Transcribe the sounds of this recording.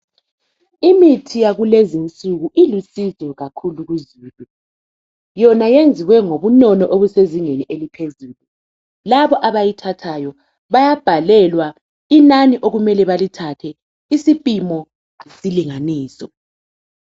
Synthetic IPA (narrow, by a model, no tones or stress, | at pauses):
imitʰijaɣulezint͡sʼuɣuʔilusizwɛɣakʰuluɣuzuːlu | jɔnajend͡zʱiwɛŋoβunɔnɔʔoβuseziŋenielipʰezuːlu | laβɔʔaβajitʰatʰajɔ | βajab̥ʱalɛlwa | inaniʔoɣumɛlɛβalitʰatʰɛ | isipʼimɔ | esiliŋaniːsɔ